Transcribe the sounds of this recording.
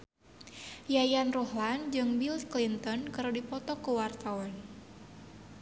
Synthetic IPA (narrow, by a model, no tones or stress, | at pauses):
jajanrɔhland͡ʒɨŋbilsklint̪ɔnkəɾodipɔt̪ɔkuwart̪awan